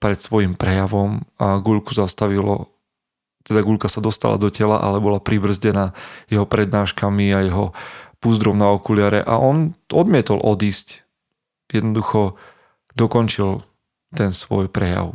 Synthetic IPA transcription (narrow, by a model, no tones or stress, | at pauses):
pɾɛt̪sʋɔjimpɾɛjaʋɔmaɡuʎkuzast̪aʋilɔ̰ | t̪ɛd̪aɡuʎkasad̪ɔst̪a̰la̰d̪ɔcɛla̰ʔa̰lɛbɔlapɾibr̩zɟɛnaːjɛɦɔpɾɛd̪naːʃkamiajɛɦɔpuzd̪ɾɔmnaɔkulɪaɾɛ̰ʔa̰ʔɔnɔd̪mɪɛt̪ɔlʔɔd̪iːsc | jɛd̪nɔd̪uxɔ | d̪ɔkɔnt͡ʃil | t̪ɛnsʋɔjpɾɛja̰ʊ